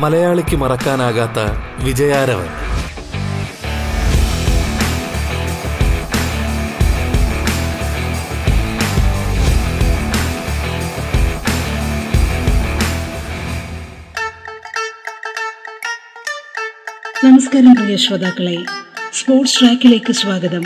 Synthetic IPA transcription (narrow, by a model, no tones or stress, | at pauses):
mɐlɐjaːɭikʲːɨmɐrɐkːaːnaːɣaːt̪ːɐʋid͡ʑɐjaːɾɐʋɐ̰n | t̪ɐmɐskaɾɐmprɐʋeɕʋɐd̪aːkːɐɭespo̞ːrʈsʈraːkːile̞ːkːɨsʋaːɡɐðɐm